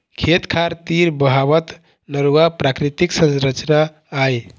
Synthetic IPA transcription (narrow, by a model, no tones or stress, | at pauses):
kʰet̪kʰaɾt̪iɾbəɦabət̪ | nəɾuapɾakɾit̪iksə̃nsɾət͡ʃʰənaː | j